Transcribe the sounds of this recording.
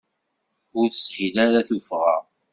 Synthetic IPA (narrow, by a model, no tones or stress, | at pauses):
ʊɾθə̥sħilæɾaθufʁæ